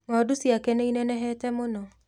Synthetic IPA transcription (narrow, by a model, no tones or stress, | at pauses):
nɔdusiakɛneinɛnɛɦɛtɛmonɔ